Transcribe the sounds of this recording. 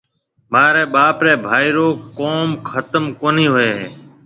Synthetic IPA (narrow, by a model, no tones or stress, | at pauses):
maːɾɛːɓaːpɾeːbʱaːiːɾoːkoːmkʰət̪əmkoːniːɦʊeːɦeː